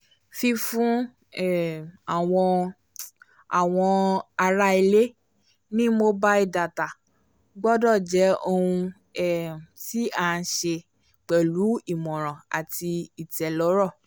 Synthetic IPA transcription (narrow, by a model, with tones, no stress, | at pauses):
fi˧fũ˦ | ɛ˦˨a˨wɔ̃˧ | a˨w̃ɔ̃˧a˧ɾa˦i˧le˦ | nĩ˦mo˧ba˦i˦˧˨da˨ta˨ | ɡ͡bɔ˦dɔ˦˨d͡ʒɛ˨˦o˧hũ˧ | ɛ˦˨ti˦a˦˨˧ʃe˧ | k͡pɛ˨lu˨˦i˦˨mɔ̃˨ɾ̃ɔ̃˨a̰˨ti˧i˨tɛ˨lɔ˨˦ɾɔ˦˨